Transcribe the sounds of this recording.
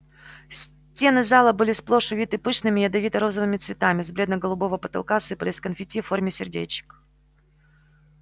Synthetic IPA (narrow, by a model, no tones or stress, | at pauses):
sʲ | tʲe̞nɨzalˠəbɨlʲɪsplˠo̞ʂʊvʲit̪ɨpɨʂnɨmʲɪɐd̪ɐvʲit̪əɾo̞zəvɨmʲɪt̪svʲɪt̪amʲɪzblʲed̪nəɡəlˠʊbo̞vəpət̪ɐ̰lˠkasɨpəlʲɪsʲkənfʲɪtʲifːo̞rmʲɪsʲɪrdʲḛt͡ɕɪ̥k